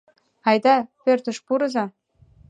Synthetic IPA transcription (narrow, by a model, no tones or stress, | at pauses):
ɑjd̪ɑpørt̪ə̆ʃpuɾɤ̆zɑ